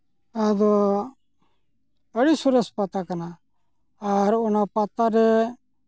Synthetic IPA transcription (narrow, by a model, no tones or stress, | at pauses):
ad̪o | əɽisuɾəspat̪akanaː | ɾonapat̪aɾɛ